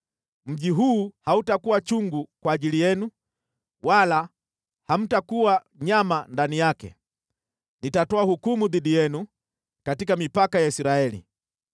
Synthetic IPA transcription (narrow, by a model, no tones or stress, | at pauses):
m̩ʄiɦuːhautakuwat͡ʃuŋɡukwaːʄilijɛnu | wala | ham̩takuwa | ɲamandanijakɛ̰ | nitatɔahukumuðiɗijɛnu | katikamipakajaisɾaɛlḭ